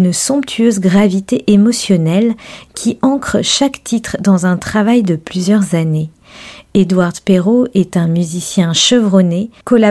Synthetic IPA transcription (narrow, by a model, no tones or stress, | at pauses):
nsɔ̃pt̪ʰyøzɡʁavit̪eʔemɔsjɔnɛlkʲʰiʔɑ̃kχəʃakt̪ʰit̪χd̪ɑ̃zɛ̃t̪χavajd̪əplyzjœʁzane | ed̪waʁd̪peʁoɛt̪ɛ̃myzisjɛ̃ʃəvʁɔnekɔla